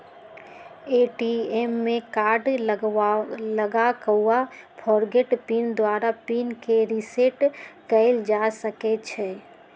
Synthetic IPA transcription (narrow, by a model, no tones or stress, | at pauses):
eʈiemːẽkaːɾɖ | ləɡakəuapʰɔɾɡeʈpind̪waːɾapinkeɾiseʈkəɪld͡ʒasəkɛt͡ʃʰɛ